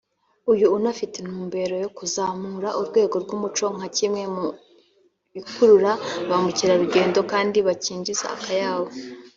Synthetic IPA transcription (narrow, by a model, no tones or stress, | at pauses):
ujuːnafiten̥huːmbe̞ɾo̞jo̞kuzaːmuɾaʔuɾɡwe̞ːɡo̞ɾɡumut͡ʃo̞ŋ̥acimŋe̞mu | ikuɾuɾaβamuciɾaɾuɡe̞ːndo̞kaːndiβaciːɲd͡ʒiza̰a̰kajaːβo̞